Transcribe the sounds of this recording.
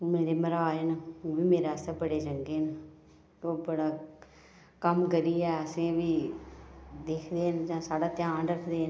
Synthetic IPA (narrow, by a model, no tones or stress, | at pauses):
meːɾeːməɾaaːeːnəʋiːmeːɾaːst̪abəɽeːd͡ʒəŋɡeːnə | oːbəɽaː | kəmkəɾiːɛːəsẽːʋiː | d̪eːkʰd̪eːnd͡ʒãːsaːɽaːt̪ɪjãːnɖəkʰd̪eːn